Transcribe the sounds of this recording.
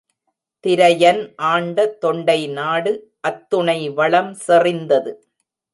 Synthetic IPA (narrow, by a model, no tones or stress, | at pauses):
t̪ɪɾɐjɐnʔaːɳɖɐt̪ːɔɳɖɐɪnaːɽɯ | ʔɐt̪ːʊɳɐɪʋɐɭɐmsɛrɪnd̪ɐðɯ